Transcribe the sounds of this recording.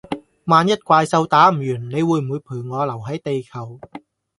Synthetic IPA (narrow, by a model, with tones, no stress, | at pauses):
maː˨˧njɐ˥t̚kʷaː˧jsɐ˧wt̪aː˨˥m̩˨˩jyː˨˩nne˨˧jwuː˨˧jm̩˨uː˨˧jpʰuː˨˩jŋɔː˨˧lɐ˨˩wɦɐ˨˥jt̪e˨jkʰɐ˨˩w